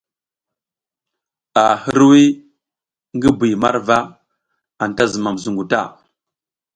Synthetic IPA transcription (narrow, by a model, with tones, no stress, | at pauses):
a˨hi˦ɾwi˦ | ŋɡi˦bi˨jma̰˦ɾva˦ | a˨n˨ta˦zə˨ma˨mzu˨ŋɡu˨ta̰˦˨